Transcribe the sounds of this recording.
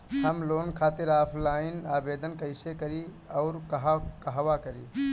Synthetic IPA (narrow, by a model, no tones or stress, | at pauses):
həmloːnkʰaːt̪ɪɾaːpʰlaːɪnaːbeːd̪ənkəɪsekəɾi | ɔʊɾkəɦakəɦʋakəɾḭː